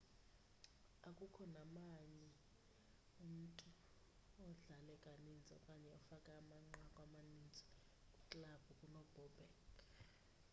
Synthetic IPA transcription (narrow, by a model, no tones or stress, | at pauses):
akʼukʰɔnamaɲɛ | um̩tʼu | ɔɮalɛkʼanind͡zʱɔ̰kʼaɲɛɔfakʼaːmaŋ͡ǃakʼwamanind͡zʱɔ̥ | kʼukʼlab̥ʱukʼunɔb̥ʱɔbʱɛk